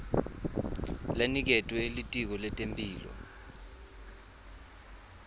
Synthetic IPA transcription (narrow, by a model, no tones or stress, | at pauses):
lanik̬ɛtʼwɛilitʼik̬ɔlɛtʼempʼiːlɔ̰